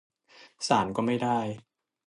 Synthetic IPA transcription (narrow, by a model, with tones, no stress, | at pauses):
saː˩˦nkɔː˥˩ma˥˩jdaː˥˩j